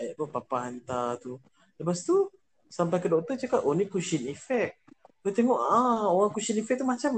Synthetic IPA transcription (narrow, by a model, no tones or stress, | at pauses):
ajaʔpupapaɦant̪at̪u | ləpast̪u | sampajk̬ədɔʔ̚t̪ət͡ʃakat̪ʔonikuʃinifɛk̚dot̪eŋɔʔaoɣaŋkut͡ʃinifɛk̚t̪umat͡ʃam